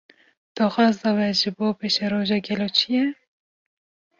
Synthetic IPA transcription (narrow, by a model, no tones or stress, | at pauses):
d̪̥ɑːxɑːzd̪ɑwɛʒɨboːpeːʃɛɾoːʒɑːɡɛloːt͡ʃʰijɛ